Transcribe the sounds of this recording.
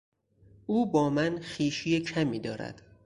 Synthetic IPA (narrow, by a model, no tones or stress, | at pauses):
ʔuːbɒːmænxiːʃijecʰæmiːd̪ɒːɾæ̰d̪̥